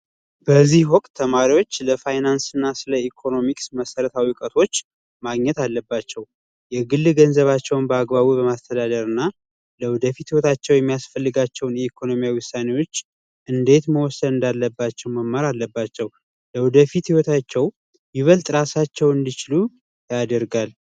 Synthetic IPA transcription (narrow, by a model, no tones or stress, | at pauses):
b̥əzːihwɔkʼt̪ʰːəmaɾiwo̞t͡ʃːləfajnansɨnːasɨləikʰo̞no̞miksməsəɾət̪ʰawikʼət̪ʰo̞t͡ʃː | maɡɲɛt̪alːəbːat͡ʃːɛw | jɛɡɨlːɨɡənzəβat͡ʃːɛwnbəaɡbaβubəmast̪ʰəd̪ad̪əɾɨnːa | ləwd̪əfit̪hiwot̪ʰat͡ʃːɛwjɛmːijasfəlːɨɡat͡ʃːɛwnjɛikʰo̞no̞mijawiwʊsːane̞wo̞t͡ʃː | ʔɨnd̪e̞t̪məwɔsəd̪ɨnd̪alːəbːat͡ʃːɛwməmːaɾalːəbːat͡ʃːɛw | ləwd̪əfit̪hiwɔt̪ʰat͡ʃːɛw | jɪβəlt̪ʼɾasat͡ʃːɛwɨnd̪it͡ʃɪlu | jad̪əɾɡal